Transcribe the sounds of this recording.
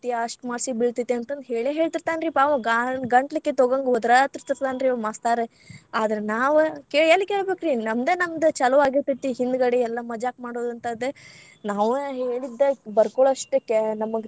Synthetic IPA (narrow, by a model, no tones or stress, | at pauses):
t̪iɐʂʈmaːɾsibiɭt̪it̪ːiɐnt̪ɐnd̪ɦeːɭeɦeːɭt̪iɾt̪aːnɾiːpaːʋɐ̃ɡaɡɐɳʈlikːet̪oɡɐŋɡɔd̪ɾat̪iɾt̪iɾt̪aːnɾiːmaːst̪aːɾe | aːd̪ɐɾenaːʋkeːɭɐlːikeːɭbeːkɾinɐmd̪enɐmd̪t͡ʃɐlɐʋaːɡit̪it̪ːiɦind̪ɡɐɽeɛlːɐmɐd͡ʒaːkmaːɽoːd̪ɐnt̪ɐd̪e | naːʋɦeːɭid̪ːebɐɾkoɭɐʂʈknɐmːɐɡ